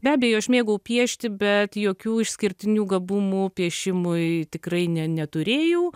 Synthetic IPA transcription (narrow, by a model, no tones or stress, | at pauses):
bʲæːbʲɛjoʊɐʃʲmʲeːɡɐʊpʲiɛʃʲt̪ʲɪbʲɛt̪joːkʲuːɪʃsʲkʲɪɾʲt̪ʲɪnʲuːɡɐbʊmuːpʲiɛʃʲɪmʊɪt̪ʲɪkrɐɪnʲɛnʲɛt̪ʊɾʲeːjɛʊ